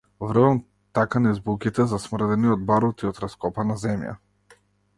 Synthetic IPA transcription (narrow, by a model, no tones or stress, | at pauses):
vrvam | t̪akanaizbukit̪ɛzasmr̩d̪ɛniɔd̪̚baɾɔt̪iɔt̪ɾaskɔpanazɛmja̰